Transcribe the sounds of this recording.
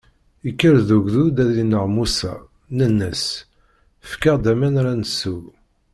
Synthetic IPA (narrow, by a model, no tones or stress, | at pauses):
ikːəɾðuɡðud̪æðinəʁmusæ̰ | nənːəs | əfkəʁd̪æmænɾænəsːu